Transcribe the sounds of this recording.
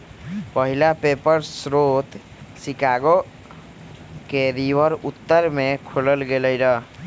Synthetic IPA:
pəɦilapepəɾsɾot̪ | sikaɡo | keɾiʋəɾut̪ːəɾmekʰoləlɡeləjɾə

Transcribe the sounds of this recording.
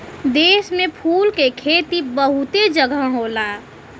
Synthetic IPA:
d̪eːsmẽpʰuːlkekʰeːt̪ibəɦʊt̪ed͡ʒəɡʱəɦola

